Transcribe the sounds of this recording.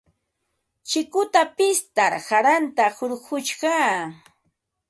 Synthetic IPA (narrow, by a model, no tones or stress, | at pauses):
t͡ʃɪkʊt̪apɪst̪aɾhaɾant̪ahoɾɢʊt͡ʃɢɑː